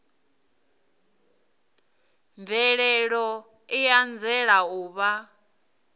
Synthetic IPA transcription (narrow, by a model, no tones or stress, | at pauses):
ɱvʱɛɺɛɺɔ | ijand͡zɛɺauːβa